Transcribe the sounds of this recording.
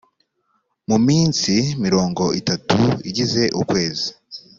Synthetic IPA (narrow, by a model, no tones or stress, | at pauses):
mumiːnsimiɾo̞ːŋɡo̞ʔitatuḭɟize̞ʔṵkwe̞ːzi̥